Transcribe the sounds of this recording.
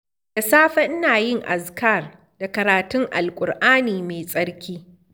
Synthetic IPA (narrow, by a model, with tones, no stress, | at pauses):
d̥a˨saː˦ɸɐ˦ʔɪ˦naː˨jɪ˦ŋʔa̰˨ska˦˨r | da˨kɐ˨ɾaː˨tʊ˦ŋʔa̰˨lkʷʼʊ˨rʔaː˦niː˨meː˨sʼɐ˦ɾkʲiː˦